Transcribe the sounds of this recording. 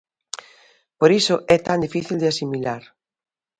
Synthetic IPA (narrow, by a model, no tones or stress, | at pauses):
poɾisʊʔɛt̪and̪ifiθild̪ɪasimilaɾ